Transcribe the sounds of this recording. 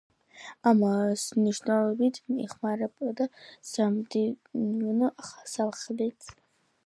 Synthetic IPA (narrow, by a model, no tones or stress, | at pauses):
amasnɨʒnalobitʰniχmaɾapʼad̪asamdiunɨʔaχḁsalχletʰʼ